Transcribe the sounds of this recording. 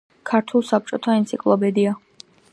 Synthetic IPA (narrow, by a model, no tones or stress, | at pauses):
kʰaɾt̪ʰulˠsap̚t͡ʃʼɔt̪ʰaint̪sʰikʼlˠɔpɛd̪ia